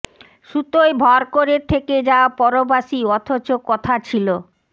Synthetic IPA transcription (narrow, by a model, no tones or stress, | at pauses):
ʃut̪ojbʱɔɾkoɾeɾt̪ʰeked͡ʑaapɔɾobaʃiɔt̪ʰot͡ɕokɔt̪ʰat͡ɕʰilo